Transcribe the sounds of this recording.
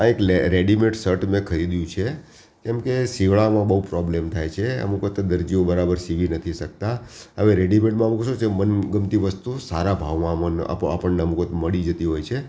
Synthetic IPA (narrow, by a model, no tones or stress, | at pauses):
ãekleɾeɖimeʈsəɾʈmẽkʰəɾid̪jũt͡ʃʰe | kɛmkesiʋɭamãbəɦupɾɔblemt̪ʰajt͡ʃʰeə̰mukət̪d̪əɾd͡ʒiõbəɾabəɾsiʋinət̪ʰisək̚t̪aəʋeɾeɖimeʈmãmukəʃot͡ʃʰemənɡəmt̪iʋəst̪usaɾabʱaʋmãmãnə̰pa̰pəɳneəmukət̪məɭid͡ʒət̪iɦojt͡ʃʰe